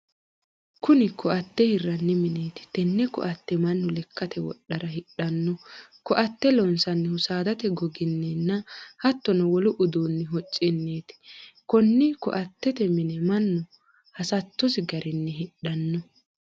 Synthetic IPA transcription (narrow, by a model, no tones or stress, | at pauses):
kʊnɪkʰɔʔɐt̪ːɛhɪrːɐnːɪmɪneːt̪ɪ̥t̪ɛnːɛkɔ̰ʔɐt̪ːɛmɐnːʊlɛkːɐt̪ʰɛwɔ̰ɗːɐɾɐhɪɗːɐnːɔkɔʔɐt̪ːɛlɔnsɐnːɛhʊsaːd̪ɐt̪ɛɡɔɡɪnːɛnːɐhɐt̪ːɔnɐwɔlʊʔʊd̪oːnːɪɦɔt͡ʃʼːɪnːeːt̪ɪ̥kɔnːɪkɔ̰ʔɐt̪ːɛt̪ɛmɪnɛmɐnːʊ | hɐsɐt̪ːɔsɪɡɐɾʔɪnːɛɦɪɗɐnːɔ